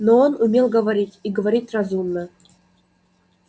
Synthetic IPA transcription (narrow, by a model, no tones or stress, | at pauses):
noonumʲelˠɡəvaɾʲitʲiɡəvaɾʲitʲrazumnə